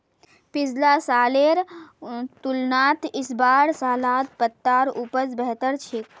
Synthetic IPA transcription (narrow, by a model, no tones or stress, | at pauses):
pɪzlaːsaːleːɾ | t̪ʊlnaːt̪ʰɪsbaːɾsaːlaːt̪̚pət̪ːaːɾupət͡sbɛɦt̪əɾt͡ʃʰɪk